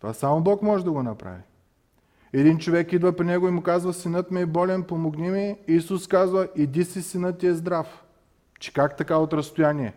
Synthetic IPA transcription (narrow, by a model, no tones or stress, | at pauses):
t̪ovasamobɔkmɔʒɛd̪ɐɡonɐpɾa̰vi | ɛd̪int͡ʃovɛkid̪vɐpɾinɛɡoimʊkazvɐsinɤt̪mɛːbɔlɛnpomoɡnimiːsuskazvəʔid̪isisinɤt̪ːiɛzd̪ɾaf | t͡ʃɛ̥kakt̪ɐkaot̪ɾɐst̪ojaniɛ